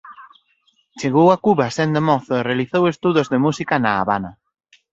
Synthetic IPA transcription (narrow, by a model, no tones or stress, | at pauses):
t͡ʃeɣowakuβɐsend̪emɔθʊerealiθowest̪uðozðemusikɐna̰ːβanɐ